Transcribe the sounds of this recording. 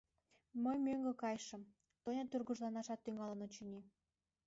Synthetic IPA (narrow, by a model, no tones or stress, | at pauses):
məjmøŋɡə̆kɑjʃə̆m | t̪onʲɑt̪yrɣuʒlɑnɑʃɑt̪ːyŋɑlənot͡ɕənʲi